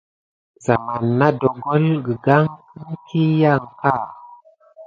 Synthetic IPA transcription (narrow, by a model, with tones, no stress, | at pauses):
za˨ma˨nːa˦dɔ˨ɡɔ˦lɡə˨ɡa˦ŋ | i˦ŋ˦kʰi˦ja˦˨ŋka˦˨